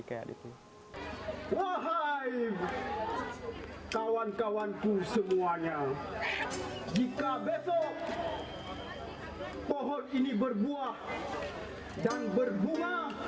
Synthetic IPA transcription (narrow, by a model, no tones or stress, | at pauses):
kaja̰ḭt̪u | waɦaj | kawankawank̪usəmuaɲa | d͡ʒikabesɔ | pɔɦɔninibərbuah | danbərbuma